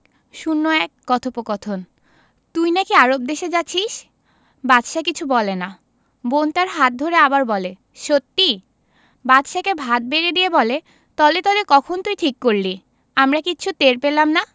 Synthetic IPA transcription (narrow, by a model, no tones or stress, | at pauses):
ʃunːoɛkːɔt̪ʰopokɔt̪ʰon | t̪ujnakiaɾob̚d̪eʃed͡ʑaɕʰiʃ | batʃakit͡ɕʰubɔlena | bont̪aɾɦat̪̚d̪ʱoɾeabaɾbɔle | ʃot̪ːi | bat̪ʃakebʱat̪̚beɾed̪iebɔle | t̪ɔlet̪ɔd̪ekɔkʰont̪ujʈʰikːoɾli | amɾakit͡ɕʰut̪eɾpelamna